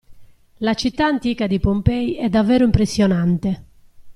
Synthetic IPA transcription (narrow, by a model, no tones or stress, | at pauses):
lat͡ʃit̪ːaːnt̪iːkad̪ipompɛiɛd̪ːavːɛːɾʊimpɾesːjɔnant̪e